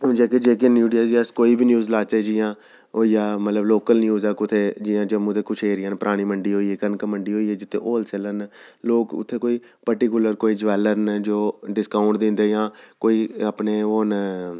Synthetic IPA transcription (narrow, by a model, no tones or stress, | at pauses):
ɦʊ̃nd͡ʒeːked͡ʒeːk̬enjuːɖiaːd͡ʒiəskoːiːbiːnjuːzlaːt͡ʃeːd͡ʒijãː | ɦoːiːjaːmət̪ləbloːkəlnjuːzakʊt̪ʰeːd͡ʒɪjãːd͡ʒomũːt̪eːkʊt͡ʃʰeːɾɪjãːnpəɾʔaːɽ̃iːməɳɖiːɦoːiːeːkənkəməɳɖiːɦoːiːeːd͡ʒɪt̪ʰːḛ̃ːʔoːlsɛːləɾnloːkʊ̰t̪ʰːeːkoːiː | pəɾʈikʊləɾkoːiːd͡ʒəʋɛːləɾnd͡ʒoːɖɪskaːʊɳʈd̪ɪ̃nd̪eːjãːkoːiːəpneːoːn